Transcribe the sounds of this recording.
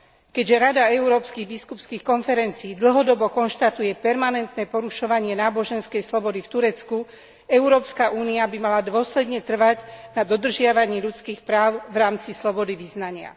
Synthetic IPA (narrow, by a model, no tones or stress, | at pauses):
kɛɟʒɛɾad̪aɛuɾɔːpskiɣbiskupskiːxkɔnfɛɾɛnt͡siːd̪l̩ɦɔd̪ɔbɔkɔnʃt̪at̪ujɛpɛɾmanɛnt̪nɛːpɔɾuʃɔʋaɲɪɛnaːbɔʒɛnskɛjslɔbɔd̪ift̪uɾɛt͡sku | ɛʊɾɔːpskaʔuːniabimalad̪ʊɔslɛd̪ɲɛt̪r̩ʋaɟnad̪ɔd̪r̩ʒɪaʋaɲiːʎut͡skiːxpɾaːʊvɾaːmt͡sislɔbɔd̪iʋiznaɲɪa̰